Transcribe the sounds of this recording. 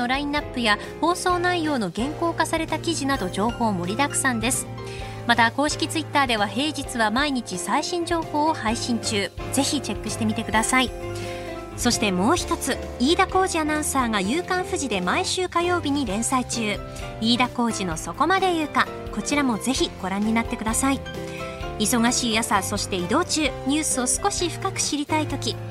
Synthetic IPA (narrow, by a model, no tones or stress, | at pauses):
oɾaĩnːapːɯ̟ja | ho̞ːso̞ːnaijo̞ːno̞ɡẽ̞ŋko̞ːkasaɾe̞t̪akʲiʑinad̪o̞ʑo̞ːho̞ːmo̞ɾʲid̪akɯ̟̥sãnd̪e̞sɨ̥ | mat̪ako̞ːɕi̥kʲit͡sɨit̪ːaːd̪e̞β̞aɦe̞ːʑit͡sɨβamaiɲ̟it͡ɕisaiɕĩɲ̟d͡ʑo̞ːho̞ːohaiɕĩɲ̟t͡ɕɨːz̥e̞çit͡ɕe̞kːɯ̟ɕi̥t̪e̞mʲit̪e̞kɯ̟d̪asai | so̞ɕi̥t̪e̞mo̞ːçi̥t̪o̞t͡sɨ | iːd̪ako̞ːʑianãɰ̃saːɡajɯːkãɰ̃ɸɯ̟ʑid̪e̞maiɕɨːkajo̞ːbʲiɲ̟iɾẽ̞ɰ̃sait͡ɕɨː | iːd̪ako̞ːʑino̞so̞ko̞mad̪e̞jɯ̟ːkã | ko̞t͡ɕiɾamo̞ze̞çiɡ̥o̞ɾãɲ̟ːinat̪ːe̞kɯd̪asai | iso̞ɡaɕiːjasaso̞ɕi̥t̪e̞id̪o̞ːt͡ɕɨːɲ̟ɨːsɨo̞sɨ̥ko̞ɕiɸɯ̥kakɯ̟̥ɕiɾʲit̪ait̪o̞kʲi